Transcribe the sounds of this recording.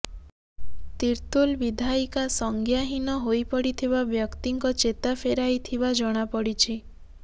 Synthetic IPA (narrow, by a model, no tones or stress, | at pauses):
t̪iɾt̪ulbid̪ʱaikasɔŋɡjaɦinɔɦojpɔɽit̪ʰiβabjɔkt̪iŋkɔt͡ʃet̪afʰeɾajt̪ʰibad͡ʒɔɽ̃apɔɽit͡ʃʰi